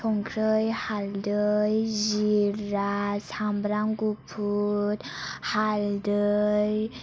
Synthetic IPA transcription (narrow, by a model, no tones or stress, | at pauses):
tʰɔŋkʰɾəjhald̪əjziɾːasambɾaŋɡupʰut̪hald̪əj